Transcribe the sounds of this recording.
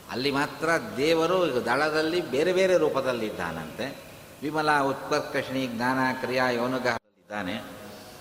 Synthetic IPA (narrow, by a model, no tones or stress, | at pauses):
ɐ̰lːimaːt̪ɾɐd̪ɛːʋɐɾud̪ɐɭɐd̪ɐlːibeːɾebeːɾe̞ɾuːpɐd̪ɐlːid̪ːa̰ːnɐ̰nt̪e | ʋimɐlaːut̪̚pɐɾt̪̚kɾɐʂɳiɡnaːnaːkɾijaːjɐwnɐɡɐɦɐɐlːid̪aːne